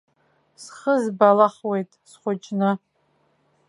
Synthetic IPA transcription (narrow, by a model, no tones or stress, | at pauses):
sχəzbalaχwejtʼsχʷʊt͡ʃʼnɨ